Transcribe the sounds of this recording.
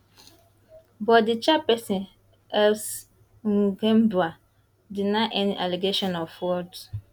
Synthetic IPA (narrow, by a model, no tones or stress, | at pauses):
bɔdɪt͡ʃapɛsĩn | ɛls | ŋ̩ɡɛ̃mbua | dɪnãʔɛnĩʔaleɡeʃɔ̃nɔfwɔd